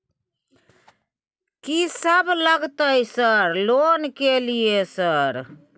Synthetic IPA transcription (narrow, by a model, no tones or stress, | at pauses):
kisəbləɡt̪əjsəɾloːnkeliesəɾ